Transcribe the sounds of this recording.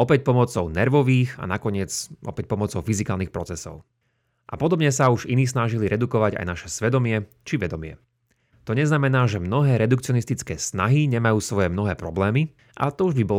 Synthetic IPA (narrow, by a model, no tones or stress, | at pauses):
ɔpɛc̚pɔmɔt͡sɔʊnɛɾʋɔʋiːxa̰nakɔɲɪɛd͡zʔɔ̰pɛc̚pɔmɔt͡sɔʊfizikaːlniːxpɾɔt͡sɛsɔ̰ʊ | ʔa̰pɔd̪ɔbɲɛsauʒiniːs̬naʒiliɾɛd̪ukɔʋaɟa̰jnaʃɛsʋɛd̪ɔmɪɛ | t͡ʃiʋɛd̪ɔmɪɛ̰ | t̪ɔɲɛznamɛnaːʒɛmnɔɦɛːɾɛd̪ukt͡siɔnist̪it͡skɛːsna̰ɦiɲɛmajuːsʋɔjɛmnɔɦɛːpɾɔblɛːmi | ʔa̰t̪ɔuʒbibɔl